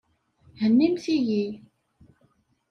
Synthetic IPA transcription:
hənːimsiji

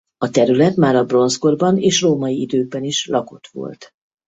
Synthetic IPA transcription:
ɒt̪ɛɾylɛt̪maːɾɒbro̞nsɡorbɒneːʃroːmɒjiid̪øːɡ̚bɛniʃlɒko̞t̪ʋo̞̰lt̪

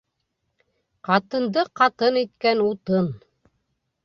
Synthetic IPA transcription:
qɑt̪ɤ̆nd̪ɤqɑt̪ɤnit̪̚kænut̪ɤn

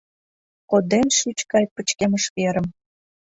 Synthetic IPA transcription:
kod̪emʃyt͡ɕkɑjpət͡ɕkeməʃβeɾəm

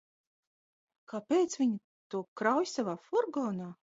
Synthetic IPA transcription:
kapʲeːt̪svʲiɲi | t̪uɔkɾawjsavaːfɔɾɡɔːnaː

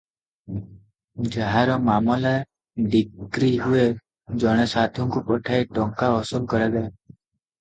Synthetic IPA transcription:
d͡ʒaɦaɾɔmamɔlae | ɖikɾiɦue | d͡ʒɔɽ̃esat̪ʰɔŋkupɔʈʰaeʈɔŋkaɔsɔɡ̚kɔɾad̪ae

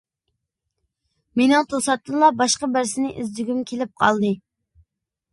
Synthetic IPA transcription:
menɪŋt̪ʰosɑt̪ːɨnlˠɑbɑʃqɑbæɾsɪnɪʔizd̪yɡʲymkʲʰelɪp̚qʰɑ̰lˠd̪ɨ

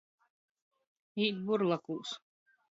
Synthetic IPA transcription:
iːt̪buɾlˠakus

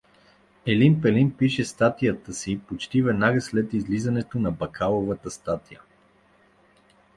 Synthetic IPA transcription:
ɛlimpɛlinpiʃɛst̪at̪ijət̪əsipot͡ʃt̪ivɛd̪naɡəslɛt̪izlizɐnɛt̪onɐbɐkʰalˠovət̪əst̪at̪ijə

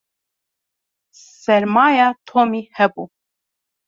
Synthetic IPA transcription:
sɛɾmɑːjɑt̪ʰomihɛbu

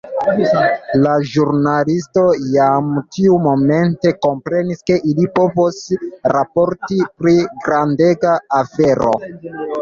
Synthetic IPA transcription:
laʒuɾnalisto̞jamtiumo̞me̞nte̞ko̞mpɾe̞niske̞ʔilipo̞vosɾapo̞ɾtipɾiɡɾande̞ɡaːfe̞ɾo̞̰

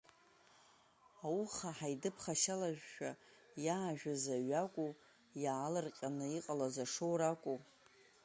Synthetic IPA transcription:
awuχaħajdɨpʰχaʃalaʒᶣːa | jaːʒᶣazaɥakʷʼu | jaːlɨrqʲʼanɨiqʼalazaʂowɾakʷʼu

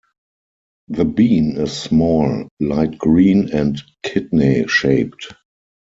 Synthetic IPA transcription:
ðəbĩːnɪssmɔllaɪt̚ɡ̥ɹĩːnɛ̃ntkʰɪdneʃeɪp̚t

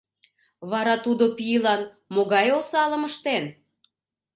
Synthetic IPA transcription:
βɑɾɑt̪ud̪opijəlɑn | moɣɑjosɑləməʃt̪en

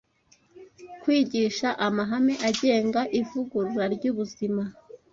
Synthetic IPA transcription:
kwiːɟiːʃaʔamaɦame̞ʔaɟe̞ːŋɡaʔivuɡuɾuɾaɾɟuːβuzima

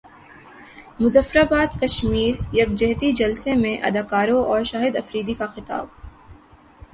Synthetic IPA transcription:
mʊzəfɾaːbaːd̪kɐʃmiːɾjɐɡ̚d͡ʒɐɦt̪id͡ʒɐlsemẽʔɐ̰d̪aːkaːɾõʔɔːɾʃaːɦɪd̪ɐfɾiːd̪ikaxɪt̪a̰ːb̚

